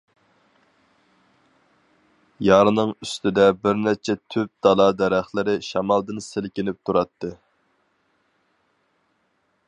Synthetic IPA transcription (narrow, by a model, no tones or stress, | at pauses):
jɑɾnɨŋyst̪ɪd̪ɛbɪɾnæt͡ʃʰɛt̪ʰyp̚d̪̥ɑlˠɑːd̪ɛɾæχlˠɪɾɪʃɑmɑlˠd̪ɨnselkʲɪnɪp̚t̪ʰuɾɑt̪ʰːɨ